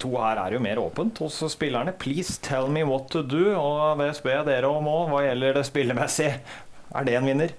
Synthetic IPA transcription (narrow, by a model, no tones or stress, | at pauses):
t̪ʰuːhæːɾæ̰ɾjʊmeːɾo̰ːpənt̪ʰɔsɔspɪlːæɳəpʰliːst̪ʰɛlmɪwɔt̪ʰːʊd̪ʉːɔd̪eːɛsbeːd̪eːɾəɔmɔnʋɑːjɛlːəɖɛspɪlːəmɛsɪʔæ̰ɖɛɛːnʋɪnːəɾ